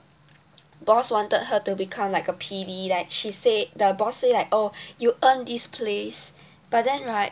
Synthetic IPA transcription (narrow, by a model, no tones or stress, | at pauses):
bɔswɔ̃ntəd̚ɦətubikʰãmlaɪkəpʰidilɛt̚ʃised̚dəbɔsːelaɪkojuʔə̃ndispʰles | b̥at̚dɛ̃nɹaɪt̚